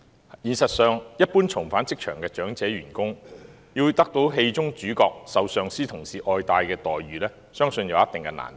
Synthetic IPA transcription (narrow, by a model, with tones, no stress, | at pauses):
jiː˨˩nsɐ˨t̚sœː˨˧ŋjɐ˥t̚puː˥nt͡sʰʊ˨˩ŋfaː˨˥nt͡sɪ˥k̚t͡ʃʰœː˨˩ŋkɛː˧t͡ʃœː˨˥ŋt͡sɛː˨˧˥ɥyː˨˩nkʊ˥ŋ | jiː˧wt̪ɐ˥k̚t̪o˨˥wɦe˧jt͡sʊ˥ŋt͡ʃyː˨˥kɔː˧k̚sɐ˨˧wsœː˨ŋsiː˥t̪ʰʊ˨˩ŋsiː˨ʔɔː˧jt̪aː˧jkɛː˧t̪ɔː˨jɥyː˨lɛː˥ | sœː˥ŋsɵ˧njɐ˨wjɐ˥t̪ɪ˨ŋkɛ˧na̰ː˨˩n˨